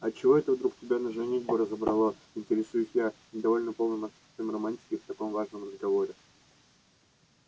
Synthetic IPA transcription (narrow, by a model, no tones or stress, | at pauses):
ɐt͡ɕːɪvo̞ɛt̪əvd̪ɾuktʲɪbʲanəʐɛnʲedʲbɨɾəzəbɾɐlˠo | ɪnʲtʲɪɾʲɪsujɪsʲjanʲɪd̪ɐvo̞lʲnəpo̞lˠnɨmɐt̪su̥t̪əmrɐmanʲtʲɪ̥kʲɪft̪ɐko̞mvaʐnəmrəzɡɐvo̞ɾʲɪ